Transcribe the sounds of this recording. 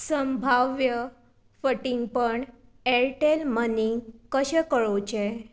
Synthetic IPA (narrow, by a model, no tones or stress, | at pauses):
səmbʱaʋʋjə | fəʈiŋɡpəɳ | eɾʈelməniŋɡkəɕẽkəɭot͡ɕe